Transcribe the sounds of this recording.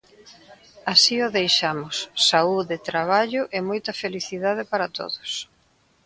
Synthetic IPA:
asioðejʃamʊsːauðet̪ɾaβ̞aʎʊʔɛmojt̪ɐfeliθiðað̞ɪpaɾɐt̪o̰ðʊs

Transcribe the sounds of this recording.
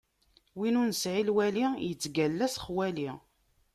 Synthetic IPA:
winunsʕilwælijət͡sːɡælːæsχwæli

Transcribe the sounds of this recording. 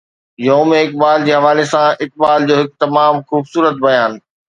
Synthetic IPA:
joːmẽɪk̚baːld͡ʑeːɦɐʋaːlesãɪk̚ɓaːld͡ʑoːɦɪk̚t̪ɐmaːmxuːbsuːɾət̪̚bɐjaːn

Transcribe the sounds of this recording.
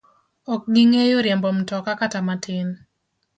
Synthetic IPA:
ɔk̚ɡiŋejoɾjɛmbɔm̩tɔkakatamatʰɪn

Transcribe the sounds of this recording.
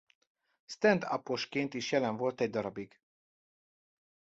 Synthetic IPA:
st̪ɛnd̪ɒ̰poʃkeːnt̪iʃjɛlɛɱvo̞lt̪ɛɟ̚d̪ɒɾɒbiɡ̥

